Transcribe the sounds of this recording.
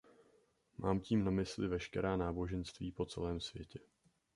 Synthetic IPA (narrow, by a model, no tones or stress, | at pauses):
mʔaːmciːmnamɪslɪvɛʃkɛɾaːnaːbo̞ʒɛnst̪viːpo̞t͡sɛ̰lɛːmsvjɛcɛ